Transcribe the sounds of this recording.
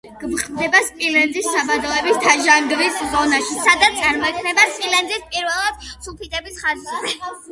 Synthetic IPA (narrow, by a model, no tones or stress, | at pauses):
ɡ̥mχʼmd̪ɛbaspʼilɛnd̪issabad̪ɔɛbist̪ʰaʒaŋɡɾiszɔnaʃisad̪at̪sʼaɾmɔɛk̪ʰnɛbaspʼilɛnd̪ispʼiɾvɛlˠad̪̥sulˠpʰit̪ʼɛbisχazzɛ